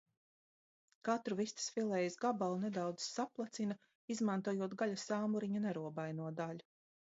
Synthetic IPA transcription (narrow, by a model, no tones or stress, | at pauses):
kat̪ɾuvist̪i̥sfilˠɛjizɡabalˠned̪awd̪zsaplˠat̪sina | izmant̪uɔjuɔt̪ɡaʎʲasaːmuɾiɲanɛɾuɔbajnuɔd̪aʎʲu